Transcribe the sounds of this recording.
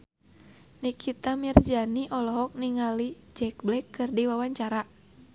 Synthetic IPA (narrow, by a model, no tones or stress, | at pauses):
nikʰit̪amird͡ʒaniʔɔlɔɦɔk̚niŋali | d͡ʒɛk̚blɛkːɨrdiwawaɲt͡ʃaɾa